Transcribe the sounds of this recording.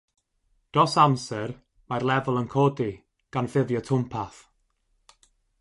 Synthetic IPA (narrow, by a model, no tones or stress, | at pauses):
d̥ɔsamsɛr | marlˠɛvʊlˠənkʰɔːdi | ɡ̥anfɪðjɔtʰʊmpʰaθ